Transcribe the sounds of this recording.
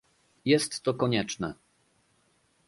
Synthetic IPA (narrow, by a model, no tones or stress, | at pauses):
jɛst̪ːɔkɔɲɛt͡ʂnɛ̰